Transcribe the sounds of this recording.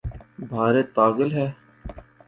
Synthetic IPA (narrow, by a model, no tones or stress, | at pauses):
bʱaːɾet̪̚paːɡəlɦɛː